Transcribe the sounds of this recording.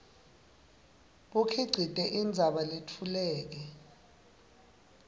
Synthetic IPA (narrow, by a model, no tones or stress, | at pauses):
ɓukʰiɡ͡ǀʱid̥ʱʼɛʔind͡zʱaɓaletʰulɛːk̬ɛ